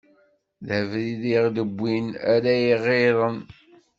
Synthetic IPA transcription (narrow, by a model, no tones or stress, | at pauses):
ðəvɾiðiʁd̪əbʷːinaɾæjiʁeðˤən